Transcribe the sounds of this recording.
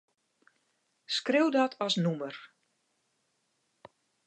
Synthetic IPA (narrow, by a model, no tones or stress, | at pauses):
skrɪwdɔtʰɔsnumər